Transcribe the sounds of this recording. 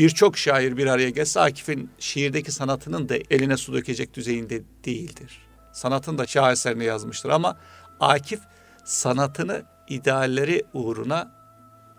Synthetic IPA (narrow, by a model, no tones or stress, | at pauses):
b̥iɾt͡ʃʰo̞kʃaːjiɾbiɾaɾajaɟælʲsɛa̰ːcʰi̥finʃeɦiɾd̪ecisanat̪ʰɯnɯnd̪aʔelʲinɛsud̪ø̞cʰe̞d͡ʒɛc̚d̪yze̞jind̪ɛd̪̥ejilʲd̪iɾ̥ | sanat̪ʰɯnd̪at͡ʃʰaːɛslʲeɾinɛjazmɯʃt̪ʰɯɾama | aːcʰif | sanat̪ʰɯnɯ | id̪ɛalʲːeɾiuːɾṵna